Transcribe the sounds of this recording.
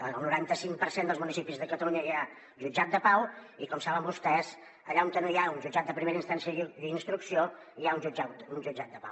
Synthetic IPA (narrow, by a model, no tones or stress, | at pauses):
əəlˠnuɾant̪əsiŋpəɾsend̪əlˠzmunisipizðəkət̪əluɲəja | ʒud͡ʒat̪̚d̪əpawikɔmsaβəmbust̪ɛz | əʎaumt̪ənjaunʒud͡ʒat̪̚d̪əpɾimeɾəinst̪ansjəd̪əinst̪ɾuksioiaunʒud͡ʒaund͡ʒud͡ʒat̪̚d̪əpa̰w